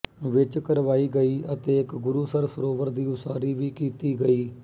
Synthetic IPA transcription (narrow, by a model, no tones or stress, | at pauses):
ʋɪt͡ʃkəɾʋaːiːɡəiːət̪eːɪkɡʊɾuːsəɾfəɾoːʋəɾd̪iːʊsaːɾiːʋiːkiːt̪iːɡəiː